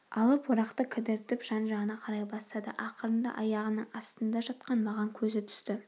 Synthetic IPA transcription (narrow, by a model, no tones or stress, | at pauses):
ɑlˠəpwoɾɑqt̪əkʲʰɪd̪ɪɾt̪ɪpʒ̥ɑnʒɑʁənɑqʰɑɾɑjbɑst̪ɑd̪ə̰ʔɑqəɾənd̪ɑ̰ʔɑjɑʁənəɴɑst̪ənd̪ɑʒɑt̪̚qɑnmɑʁɑŋkʲʰɵzɪt̪ʰʏ̥st̪ɪ